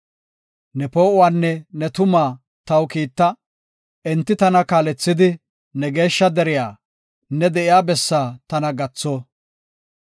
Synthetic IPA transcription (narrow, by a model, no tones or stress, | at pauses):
nɛpo̞ːʔʊwaːnːɛnɛt̪ʊmaː | t̪ɐwkiːt̪ːɐ | ɛnt̪ːɪt̪ɐnɐkaːlɛt͡sːɪd̪ɪ | nɛɡe̞ːʃːɐd̪ɛɾɪjaː | nɛd̪ɛʔɪjaːbɛsːaːt̪ɐnɐɡɐt͡sːoː